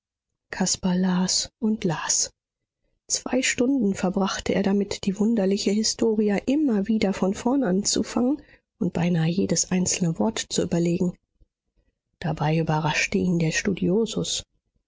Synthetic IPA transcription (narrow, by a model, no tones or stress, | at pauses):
kʰaspalaːsʔʊntlaːs | t͡sv̥a̰ɪʃtʊndn̩fɛɐbʁaχtəʔḛːɐɾamɪtd̥iːvʊndɐlɪçəhɪstʰoːʁiaʔɪmɐviːdɐfɔnfɔɐnʔant͡sṵfaŋən | ʔʊnt̚b̥aɪnaːəjeːdəsʔaɪnt͡sl̩nəvɔɐtt͡suy̰ːbɐleːɡŋ̩ | d̥abaɪʔyːbɐʁaʃtəʔiːndeːɐʃtudioːzʊs